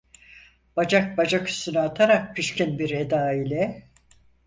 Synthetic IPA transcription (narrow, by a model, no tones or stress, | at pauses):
b̥ad͡ʒak̚bad͡ʒakʰy̥st̪ynɯat̪ʰaɾak̚pʰiʃcinbiɾe̞d̪aːilʲɛ